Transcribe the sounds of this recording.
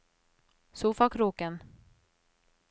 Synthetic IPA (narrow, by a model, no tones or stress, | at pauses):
suːfakʰɾuːkən